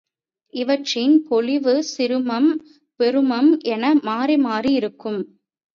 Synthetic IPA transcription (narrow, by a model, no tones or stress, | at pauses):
ʔɪʋɐʈrɪnpɔlɪʋɯsɪɾɯmɐm | pɛɾɯmɐmʔɛnɐmaːɾimaːriɪɾɯkːɯm